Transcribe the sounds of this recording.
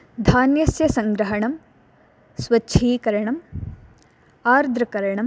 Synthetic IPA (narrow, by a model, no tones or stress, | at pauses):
d̪ʱaːnjɐsjɐsɐŋɡɾɐɦɐɳɐm | sʋɐːʃʰiːkɐɾɐɳɐm | aːɾd̪ʱɾɐkɐɾɐɳɐm